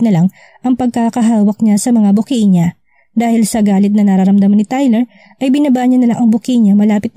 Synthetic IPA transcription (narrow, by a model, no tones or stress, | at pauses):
nɐlaŋ | ʔɐŋpɐɡ̚kaːkɐɦaːwɐk̚ɲasɐmɐŋabʊkiɲa | d̪aːhɪlsɐɡaːlɪt̪nɐnɐɾaɾɐmd̪ɐmɐnɪt̪ajlɛɹ | ʔɐjbɪnɐbaːɲɐnɐlaŋʔɐŋbʊkiɲɐmɐlaːpɪt̪̚